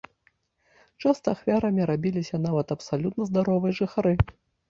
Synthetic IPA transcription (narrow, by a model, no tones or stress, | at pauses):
t͡ʂast̪ɐːxvʲaɾɐmʲiɾabʲilʲisʲɐnavɐt̪ɐpsalʲut̪nɐzd̪aɾɔvɨjɐʐɨxaɾɨ